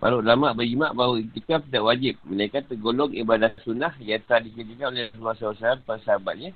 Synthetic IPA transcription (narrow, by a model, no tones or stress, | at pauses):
ba̰ɾuʔlamaʔbəɾimaʔbaɦwut̪ikap̪̚idaʔwad͡ʒɪp̚mənaikat̪əɡolɔŋibadasunahjat̪əɾadikəd͡ʒikanolesluasawasaɾanpənsaɦabat̪̚ɲa